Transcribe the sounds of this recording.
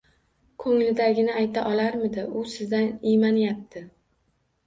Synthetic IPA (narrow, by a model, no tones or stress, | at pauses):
kʰɵŋlɪd̪aɡʲɪnɪajt̪ʰaʔɒlaɾmɪd̪ɪʔʊsɪzd̪anijmanjap̚t̪ʰɪ